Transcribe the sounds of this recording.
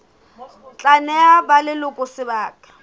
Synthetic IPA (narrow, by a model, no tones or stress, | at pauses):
t͡ɬʼanɛabalɪlʊkʼʊsɪbaːkʼḁ